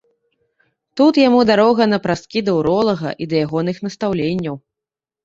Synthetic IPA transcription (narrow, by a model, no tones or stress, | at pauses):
t̪ut̪jamud̪aɾɔɣɐnɐpɾast̪kʲid̪ɐuɾɔlˠɐɣɐ̰ʔid̪ɐjaɣɔnɨxn̪ɐst̪awlʲenʲːɐw